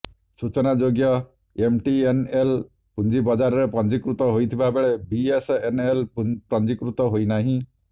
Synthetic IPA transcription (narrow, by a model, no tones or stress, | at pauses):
sut͡ʃɔnad͡ʒoɡjɔ | emʈienel | pund͡ʒibɔd͡ʒaɾɔɾepɔnd͡ʒikɾut̪ɔɦojt̪ʰibabeɭebiesenelpɾɔnd͡ʒikɾut̪ɔɦojnaɦĩ